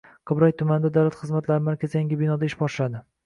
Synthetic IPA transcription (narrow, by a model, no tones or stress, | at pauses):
qʰɨbɾɒjt̪ʰʊmand̪ad̪awlat̪χɨzmat̪laɾɪmaɾkʲʰazjaŋɡʲɪbɪnɒd̪aɪʃbɒʃɪlad̪ɪ